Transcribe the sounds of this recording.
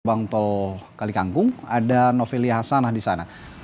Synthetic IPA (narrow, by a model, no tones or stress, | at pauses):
baŋt̪okalikaŋkʊŋadanofeliaɦasanahdisana